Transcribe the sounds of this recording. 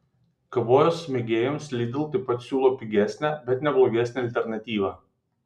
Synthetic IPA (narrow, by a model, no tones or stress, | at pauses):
kɐʋoːjosmʲɛɡʲeːjomslʲiːd̪ʲɪlˠt̪ɐɪpɐt̪sʲuːlˠoːpʲɪɡʲæsʲnʲæːbʲɛt̪nʲɛblˠoɡʲɛsʲnʲæɐlʲt̪ʲɛɾnɐt̪ʲiːʋɑː